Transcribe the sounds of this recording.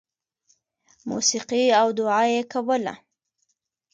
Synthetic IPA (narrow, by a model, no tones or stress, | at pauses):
mṵsiqiawd̪ʊʕɑjekawəla̰